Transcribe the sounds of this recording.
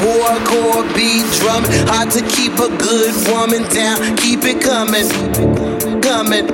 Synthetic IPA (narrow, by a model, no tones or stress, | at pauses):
wɔɹkʰɔɹbidɹʌmɨ̃hɑd̚tɨkʰipəɡʊd̚wʊmɨ̃ndãʊ̃nkʰipɨt̚kʰʌmɪ̃n | kʌmɪ̃n